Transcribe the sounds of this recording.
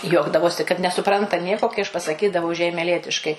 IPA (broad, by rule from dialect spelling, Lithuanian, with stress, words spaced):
ˈjuɔɡdɐʋoːsʲɪ kɐt nʲɛsʊˈprɐntɐ ˈnʲiɛkoː kɐɪ ɐʃ pɐsɐˈkʲiːdɐʋɐʊ ʒʲɛɪmʲɛˈlʲiɛtʲɪʃkɐɪ